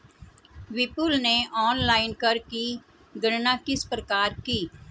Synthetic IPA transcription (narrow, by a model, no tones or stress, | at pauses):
ʋɪpʊlneɔːnlaːɪnkɐɾki | ɡɐɽnakɪspɾəkaːɾkiː